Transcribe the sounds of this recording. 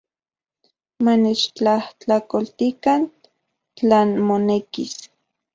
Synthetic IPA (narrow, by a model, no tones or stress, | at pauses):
manet͡ʃt͡ɬaht͡ɬakolt̪ikan | t͡ɬaːnmonekis